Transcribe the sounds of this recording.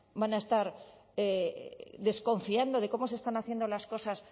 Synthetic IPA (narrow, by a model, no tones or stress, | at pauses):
banae̞st̪aɾed̪e̞skõ̞ɱfiand̪o̞ð̞e̞ko̞mo̞s̬e̞st̪anaθjend̪o̞lasko̞sas